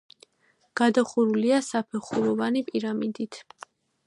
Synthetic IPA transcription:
ɡ̥ad̪aχuɾuliasapʰɛχuɾɔvanipʼiɾamid̪it̪ʰ

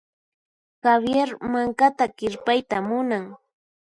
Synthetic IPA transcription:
kabjeɾmaŋkat̪akɪɾpajt̪amʊnaŋ

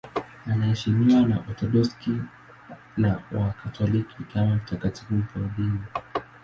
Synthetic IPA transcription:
anaɛʃimiwana̰ʔɔtɔɗɔski | nawakʰatʰɔlikʰikamam̩takatifum̩pɔɾɔɗini

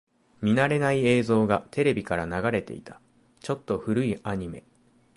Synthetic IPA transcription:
mʲinaɾe̞naie̞ːzo̞ːɡat̪ʰe̞ɾe̞bʲikaɾanaɡaɾe̞t̪e̞̰it̪ḁ | t͡ɕo̞t̪ːo̞ɸɯ̟ɾɯ̟iaɲ̟ime̞̰

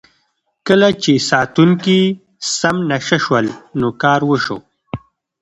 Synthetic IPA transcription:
kəlat͡ʃesɑt̪uŋki | samnaʃaʃwəlnokɑːɾwəʃo̰

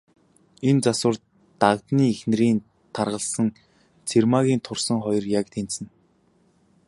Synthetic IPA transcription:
ent͡saswə̆r | t̪akt̪niːexn̆ɾiːn | t̪ʰarʁə̆ɮsə̆ŋ | t͡sʰermaɣʲiːnt̪ʰʊrsə̆ŋχɔjɞ̆rjakt̪ʰen̥t͡sɘ̆n

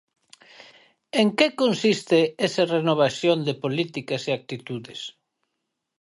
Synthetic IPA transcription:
eŋkekonsist̪eesarenoβ̞asjond̪epolit̪ikaseak̚t̪it̪uðɪs

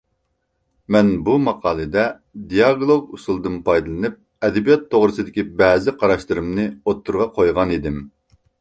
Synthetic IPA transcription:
mɛnbumɑqʰɑːlˠɨd̪ɛ | d̪ijɑɡlˠoɡusulˠd̪ɨnpʰɑjd̪ɨlˠɨnɨp̚ | ɛd̪ɪbijɑt̪ʰːoʁɾɨsɨd̪ɪkʲibɛːzɪqʰɑɾɑʃlɨɾɨmnɨot̪ʰːuɾʁɑqʰojʁɑnid̪ɪm

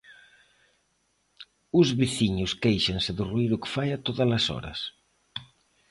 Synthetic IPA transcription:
ʊzβiθiɲʊskejʃansɪðʊruiɾʊkɪ̥fajat̪oðɐlɐsɔ̰ɾɐ̰s

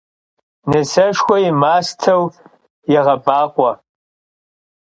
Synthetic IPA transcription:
nɨsɐʂkʷɔjimaːstʰɐw | jɛʁɐbaːqʷʼɔ

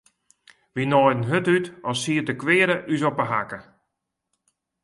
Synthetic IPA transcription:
ʋinɔjdən̩ɦøtytɔsiədəkʋɪːəɾəʔys̬ɔpəɦa̰kə

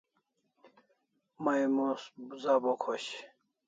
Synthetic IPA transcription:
majmoszabokʰoɕ

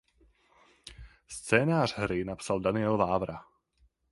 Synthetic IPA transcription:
st͡sɛːnaːr̥ɦɾinapsald̪anɪɛlvaːvɾa

